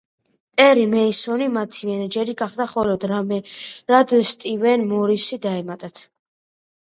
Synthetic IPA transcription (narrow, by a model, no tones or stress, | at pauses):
t̪ʼɛɾimɛisɔnimat̪ʰimɛnɛd͡ʒɛɾiɡaχd̪aχɔlɔd̪ɾamɛɾad̪ɛst̪ʼivɛnmɔɾisid̪aɛmat̪ʼat̪ʰ